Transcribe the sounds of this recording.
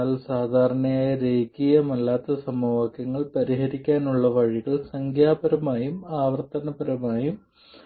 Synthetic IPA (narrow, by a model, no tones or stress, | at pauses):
alsaːd̪ʱaːɾɐɳɐjaːjɐɾeːkːijɐmɐlːaːt̪ːɐsɐmɐʋaːkjɐŋːɐɭpɐɾiɦɐɾikʲːaːnuɭːɐʋɐɻiɣɐɭsɐŋkʰjaːbɐɾɐmaːjumaːʋɐrt̪ɐnɐbɐɾɐmaːjum